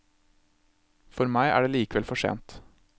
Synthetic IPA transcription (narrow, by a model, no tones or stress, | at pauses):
fɔɾmæɪʔæ̰ːɖeːliːkəʋɛlfɔʂḛːnt̪